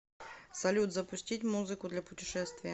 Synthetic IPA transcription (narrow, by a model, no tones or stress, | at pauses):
sɐlʲud̪zɐpʊsʲtʲitʲmuzɨkʊd̪lʲɐpʊtʲɪʂɛst̪vʲɪjɐ